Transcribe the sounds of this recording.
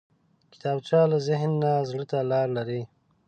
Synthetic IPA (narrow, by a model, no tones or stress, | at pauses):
kɪ̥t̪ɑːbt͡ʃɑlazɪɦnːazɽət̪alɑːɾlaɾi